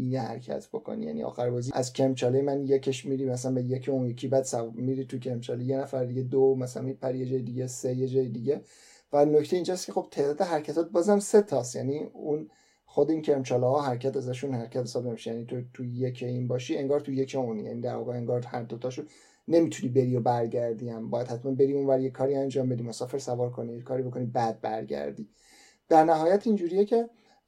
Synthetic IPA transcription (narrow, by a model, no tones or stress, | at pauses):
ijehæ̰ɾcʰæ̰t̪ʰb̥o̞kʰo̰nḭjæ̰nḭɒ̰ːxæɾbɒːziæzcʲʰemt͡ʃʰɒːlejemænjekʰeʃmiɾiːmæsælænbejekʰeunjekʰiːbæd̪sæmiɾit̪ʰucʰeɾmt͡ʃʰɒːleje̞næfæɾd̪iɟe̞d̪omæsælænmipʰæɾijed͡ʒɒːjed̪iɡe̞sejed͡ʒɒːjed̪iɟe̞ | vænocʰt̪eiːnd͡ʒɒːst̪cʰexo̞b̥t̪ʰe̞ːd̪ɒːd̪eɦæɾcʰæt̪ʰɒːt̪̚bɒːzæmse̞t̪ʰɒst̪jæniun | xo̞d̪eincʰe̞ɾmt͡ʃʰɒːlɒɦɒːɦæɾcʰæt̪æzæʃunhæɾcʰæt̪hesɒːbne̞miʃejænit̪ʰot̪ʰujecʰeinbɒːʃie̞ŋɡɒːɾt̪ʰuje̞cʰeunjæ̰niːd̪æɾvɒ̰ːɣeeŋɡɒːɾhæɾd̪ot̪ʰɒʃu | ne̞miːt̪ʰunibe̞ɾio̞bæɾɟæɾd̪iæmbɒːjæd̪hæt̪mænbe̞ɾiːunvæɾje̞kʰːɒːɾiænd͡ʒɒːmbe̞d̪imosɒfe̞ɾsævɒːɾkʰo̞nijekʰɒːɾibo̞kʰo̞nibæd̪̚bæ̰ɾɟæ̰ɾd̪ḭː | d̪̥æɾnæɦɒːjæt̪ʰind͡ʒuːɾije̞cʰe̞